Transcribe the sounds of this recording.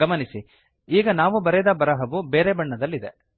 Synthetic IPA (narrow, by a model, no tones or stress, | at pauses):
ɐmɐnisi | iːɡɐnaːʋubɐɾɛd̪ɐbɐɾɐɦɐʋubeːɾebɐɳːɐd̪ɐlːid̪e